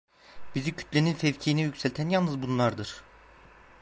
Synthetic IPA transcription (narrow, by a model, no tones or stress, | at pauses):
bizicʰy̥t̪lʲeninfɛvcʰijinijycsɛlʲt̪ʰænjalˠnɯzbunlˠaɾd̪ɯɾ̥